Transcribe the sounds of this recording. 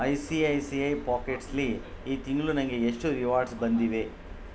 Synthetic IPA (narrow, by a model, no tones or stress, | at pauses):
ɐjsiɐjsiɐjpaːkeʈsliː | t̪iŋɡɭunɐŋɡe̞eʂʈuɾiʋaːɾɖsbɐnd̪iʋe̞